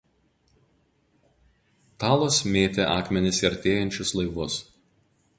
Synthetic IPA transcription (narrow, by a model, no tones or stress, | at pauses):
t̪ɑːlˠoːsmʲeːt̪ʲeʔɑːkmʲɛnʲɪsɐɾʲt̪ʲeːjɛnʲt͡ʃʲʊslˠɐɪʋʊs